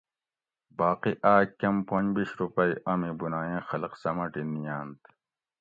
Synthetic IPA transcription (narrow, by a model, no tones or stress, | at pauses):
baːqiʔaːkɐmpɐ̃nbiɕɾupɐiʔɐmibunaːjẽːxɐlqsɐmɐʈinijaːnt̪